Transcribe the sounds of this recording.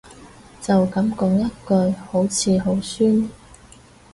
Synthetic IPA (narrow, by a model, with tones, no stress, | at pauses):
t͡sɐ˨wkɐ˨˥mkɔː˧˥kŋjɐ˥t̚kɵ˧ɥho˨˥wt͡sʰiː˨˧ɦo˨˥wsyː˥n